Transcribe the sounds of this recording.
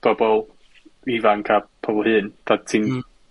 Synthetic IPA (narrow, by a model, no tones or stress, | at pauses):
b̥ɔbɔlˠ | ivaŋkʰapʰɔbɔlˠhɨːnd̪̥atʰin